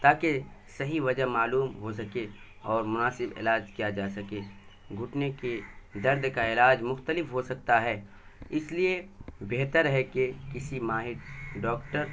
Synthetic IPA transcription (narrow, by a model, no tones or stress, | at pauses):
t̪aːkesɐɦiʋɐd͡ʒəɦmaːluːmɦos̬ɐke | ɔːɾmʊnaːsɪbɪ̰laːd͡ʒkijad͡ʒaːsɐkeː | ɡʱʊʈneked̪ɐɾd̪kaɪlaːd͡ʒmʊxt̪əlɪfɦosɐk̚t̪aɦɛː | ɪsliebeːt̪əɾɦɛkekɪsimaːɦɪʈɖɔːkʈəɾ